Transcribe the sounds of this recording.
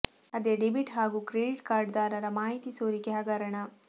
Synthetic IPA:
ɐd̪eɖebiʈɦaːɡukɾeɖiʈkaːɾɖd̪aːɾɐɾɐmaːɦit̪isoːɾikeɦɐɡɐɾɐɳɐ

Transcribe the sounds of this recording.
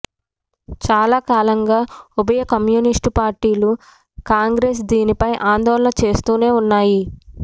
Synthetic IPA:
t͡ʃaːlaːkaːlɐŋɡaːubɐjɐkɐmjuːnisʈpaːɾʈiːlu | kaːŋɡɾes̬d̪iːnipɐjʔaːnd̪ɔːlɐnɐt͡ʃe̞ːst̪uːne̞ːunːaːji

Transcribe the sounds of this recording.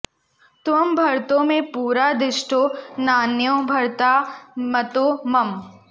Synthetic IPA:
t̪ʊəmbʱɐɾt̪õmẽpuːɾad̪ɪʃʈʰoːnaːnjõbʱɐɾt̪aːmɐt̪oːmɐm

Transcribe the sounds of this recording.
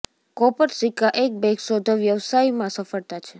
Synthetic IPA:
kɔpəɾsikaʔek̚bɛ̃ksod̪ʱəʋjəʋsaimãsəfəɭt̪at͡ʃʰe

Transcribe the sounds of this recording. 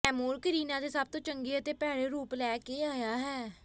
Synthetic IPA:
ɛːmoːɾkəɾiːnãːd̪eːsab̚t̪õːt͡ʃəŋɡeːət̪eːpɛːɽeːɾuːplɛːkeːaːjaːɦɛː

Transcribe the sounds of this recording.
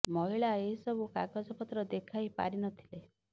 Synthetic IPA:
mɔɦiɭaeɦisɔbukakad͡ʒɔpɔt̪ɾɔd̪ekʰaipa̰ɾinɔt̪ʰi̥le

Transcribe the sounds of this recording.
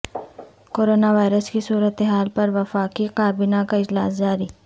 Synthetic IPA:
koːɾoːnaʋaːɪɾəskisuːɾət̪eɦaːlpɐɾʋɐfaːqiqaːbɪnakaɪd͡ʒla̰ːsd͡ʒaːɾiː

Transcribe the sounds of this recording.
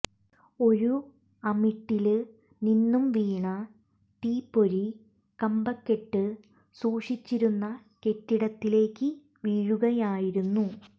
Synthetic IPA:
o̞ɾu | ɐmiʈːil | ninːumʋiːɳɐ | t̪iːpːo̞ɾi | kɐmbɐkːe̞ʈːɨ | suːʂit͡ɕːiɾunːɐ | ke̞tːiɽɐt̪ːile̞ːkːɨ | ʋiːɻuɣɐjaːjiɾunːu

